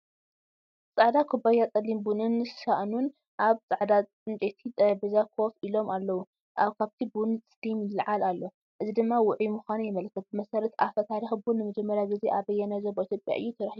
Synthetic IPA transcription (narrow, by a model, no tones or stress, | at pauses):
t͡sʼaʕd̪akʰubajat͡sʼɐlːimbunɨnʃaʔnun | ʔaβt͡sʼaʕd̪at͡sʼɨnt͡ʃʼet̪ʰit̪ʼɐbizakʰo̞filo̞malːɐwu | ʔaβkʰaβt̪ʰibunst̪imlɨʕalalːo̞ | ʔɨzid̪ɨmːawʊʕimʊxanjɪmɐlkʰːɐt̪̚bɨmɐsɐɾɐt̪ʰafɐt̪ʰaɾixbunːɨmɐd͡ʒɛmːɐɾjaɡɨzeʔaβɐjːɛnazobɐit̪ʰjopʼja̰ʔɨ̰jːut̪ʰɐɾɐħiu